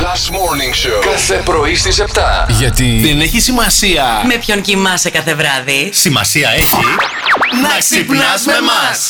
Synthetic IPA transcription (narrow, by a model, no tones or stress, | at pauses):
lɐsmoɾniŋʃokɐθepɾo̞ist̪ise̞pt̪ɐʝɐt̪iðeneçisimɐsiɐme̞pço̞ncimɐsekɐθe̞vɾɐðisimɐsiɐeçi | nɐksipnɐzmemɐs